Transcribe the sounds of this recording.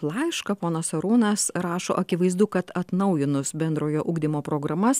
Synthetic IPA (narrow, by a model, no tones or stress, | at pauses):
lˠɑɪʃkɐpoːnɐsɐɾuːnɐsɾɑːʃo̰ːʔɐkʲɪʋɐɪzd̪ʊkɐt̪ɐt̪nɐʊjɪnʊsbʲɛnd̪ɾoːjoːʔuːɡd̪ʲɪmoːpɾoːɡɾɐmɐs